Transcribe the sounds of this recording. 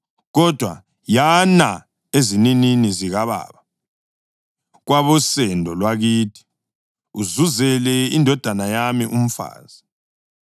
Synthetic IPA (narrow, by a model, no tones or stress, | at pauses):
ɣɔd̥ʱwa̰ | jana | ezinininiziɣaβa̰ːβa | ɣwaβɔsɛndʱɔlwaɣiːtʰi̥ | uzuzɛlɛindʱɔd̥ʱanajamiʔum̩fa̰ːz̥i